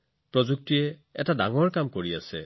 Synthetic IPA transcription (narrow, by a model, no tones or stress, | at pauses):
pɹɔzuk̚tiɛɛtadaŋɔɹkamkoɹiasɛ̰